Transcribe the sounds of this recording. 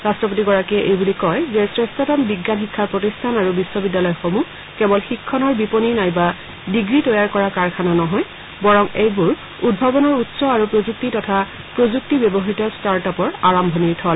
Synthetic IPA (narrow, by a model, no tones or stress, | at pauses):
ɹastɹɔp̬otiɡɔɹakiɛʔejbulikɔjzɛsɹɛstɔtɔmbiɡːanxikʰːaɹpɹotistʰanaɹubisːɔbidːalɔjɔxomu | kɛbɔlxikʰːɔnɔɹbiponinajba | diɡɹitɔjaɹkɔɹakaɹkʰananɔɦɔj | bɔɹɔŋejbuɹ | ud̚bʱɔbɔnɔɹutsɔaɹupɹozuk̚titɔtʰa | pɹozuk̚tibebɔɦitɔstaɹtapɔɹaɹambʱɔniɹtʰɔl